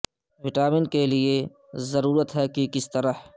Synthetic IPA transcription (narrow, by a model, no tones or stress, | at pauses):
ʋɪʈaːmɪnkelie | zɐɾuːɾət̪ɦɛkikɪst̪ɐɾəh